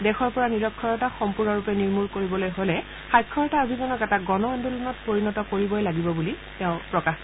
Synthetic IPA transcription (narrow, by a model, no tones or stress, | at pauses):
dɛxɔɹpɔɹaniɹɔkʰːɔɹɔtaxɔmpuɹnɔɹupɛniɹmuɹkoɹibɔlojɦolɛ | xajkʰːɔɹɔtaobʱizɔnɔkɛtaɡɔnɔɔndulɔnɔt̚poɹinɔtɔkoɹibɔjlaɡibɔbuli | tɛʊ̃pɹɔkax